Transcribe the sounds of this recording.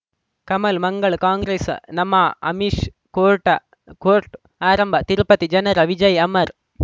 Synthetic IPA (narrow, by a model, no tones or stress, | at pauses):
kɐmɐlmɐŋɡɐɭkaːŋɡɾeːsnɐmaːʔɐmiʂ | koːɾʈːɐ | koːɾʈ | aːɾɐmbɐt̪ɪɾɯpːɐt̪ːid͡ʒɐnɐɾɐʋɪd͡ʒɐjɐmɐɾ